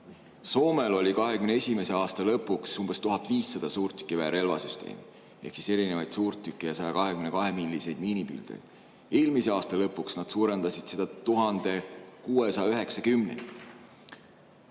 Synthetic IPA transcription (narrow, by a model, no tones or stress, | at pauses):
so̞ːme̞lo̞lʲikɑɦe̞kymneesʲime̞se̞ɑːst̪ɑlɤpːuksumbe̞st̪uɦɑt̪ːˑviːsːɑd̪̥ɑsuːrt̪ːˑy̥kːˑivæːɾe̞lvɑ̰syst̪e̞̰ːmi | e̞hksise̞ɾine̞vɑjd̪̥suːrt̪ːˑykːˑejɑsɑjɑkɑɦekymne̞kɑɦe̞milʲːise̞jd̪̥miːnipḭld̪̥ḛjd̥̪ | e̞ːlmise̞ɑːst̪ɑlɤpːˑuksnɑd̪̥suːɾe̞nd̪ɑsid̪̥se̞d̪ɑt̪uɦɑnd̪̥e̞kuːe̞sɑjɑyɦe̞ksɑkymne̞̰ni